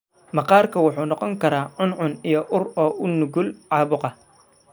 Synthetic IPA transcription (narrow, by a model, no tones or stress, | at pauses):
mɐqɑːrkʰɐwʊħuːnɔqɔŋkʰɐɾaːʕʊnʕʊnijɔʔʊrɔːʔʊnʊɡʊlʕɑːβʊqɑ